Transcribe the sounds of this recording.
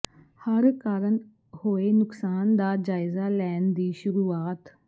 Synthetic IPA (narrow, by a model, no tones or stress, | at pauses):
həɾkaːɾən | hoːeːnʊksaːnd̪aːd͡ʒaːɪzaːlɛːnd̪iːʃʊɾuːaːt̪